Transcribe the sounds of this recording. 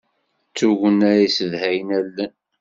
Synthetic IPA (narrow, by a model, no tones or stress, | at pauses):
t͡sːuʝənæɾisəðhæjnælːən